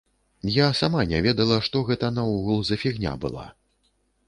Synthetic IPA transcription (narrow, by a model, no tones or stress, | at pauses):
jasamanʲɛvʲɛd̪ɐlˠɐʂt̪ɔɣɛt̪ɐnɐuɣulˠzɐfʲiɣnʲa̰bɨ̰lˠa̰